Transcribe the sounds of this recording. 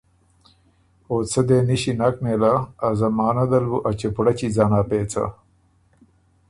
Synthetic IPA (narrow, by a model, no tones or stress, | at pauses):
oːt͡sʰɐd̪eːniɕinɐk̚meːlaːzɐmaːnɐd̪ɐlbuʔɐt͡ɕepuɽɐt͡ɕid͡zaːnaːpeːt͡sʰa̰